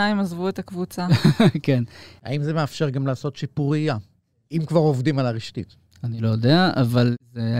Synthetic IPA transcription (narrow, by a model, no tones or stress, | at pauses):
aimazvuet̪akvut͡sakena̰imze̞meafʃe̞ʁɡamlaːso̞t̪ʃipuʁija | imkvaʁo̞vdimalaʁiʃtḭt | anilo̞jod̪eaʔavalze